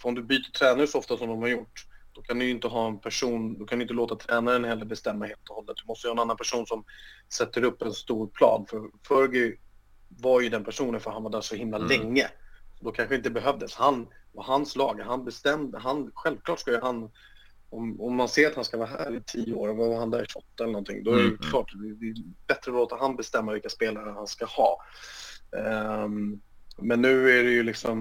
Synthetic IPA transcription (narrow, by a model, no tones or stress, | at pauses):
fœɾɔmd̪ɵbyːt̪ət̪ʰɾɛːnaɾʂɔɔft̪asɔmd̪ɔmhaɾjʊʈːd̪̥ɔkʰand̪ɵjʏɪnt̪əɦɑːɛnpʰæʂuːnd̪ɔkʰand̪ɵʏɪnt̪əloːt̪at̪ʰɾɛːnaɾɛnhɛlːəɾbɛst̪ɛmːaheːlt̪ɔhɔlːə̰t̪d̪ɵmɔst̪əjhɑːɛnanːanpʰæʂuːnsɔmsɛt̪ːəɾɵpːɛnst̪uːɾpʰlɑ̰ːd̪fœɾfœɾɡɪ | vaɾjɵd̪ɛnpʰæʂuːnənfœɾhanvaɖæːʂɔhɪmlalɛŋːəɔd̪ɔkʰanɧəɪnt̪əbɛɦœvd̪əshanvaɦanslɑːɡɦanbɛst̪ɛmd̪ɦanɧɛlv̥kʰlɑːʈskajɵɦan | ɔmɔmːanseːɾat̪hanskavɑːɦæ̰ːɾɪt̪ʰiːəoːɾɛavahand̪æːɾʂɔt̪ːɛlːənɔnt̪ʰɪ̰ŋd̪ɔæɾɛjkʰlɑːʈd̪ɛd̪ɛbɛt̪ɾəloːt̪aɦanbɛst̪ɛmːavɪlkaspeːlaɾəhanskahɑ̰ː | mɛnːʉ̟ːæɖɛjɵlɪksɔm